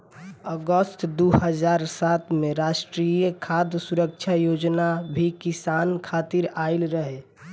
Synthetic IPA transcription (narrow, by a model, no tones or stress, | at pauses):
əɡəst̪d̪oɦəd͡ʒaːɾsat̪ʰmẽɾaʃʈɾijəkʰad̪suɾək̚t͡ʃʰajoːd͡ʒnabʱikisankʰat̪iɾaɪlɾəɦe